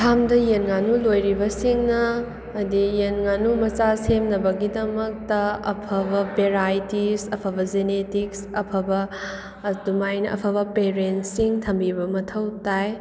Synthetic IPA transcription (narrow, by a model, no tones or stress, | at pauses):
tʰamdɐjenŋanulojɾibɐsiŋnɐː | dijenŋanumɐt͡ʃasemnɐbɐɡidɐmɐk̚tɐɐ̰pʰɐbɐbeɾajtisɐpʰɐbɐd͡ʒenetiksɐpʰɐbɐ | dumajnɐʔɐ̰pʰɐbɐpeɾentsiŋtʰɐmbibɐmɐtʰɐwtaj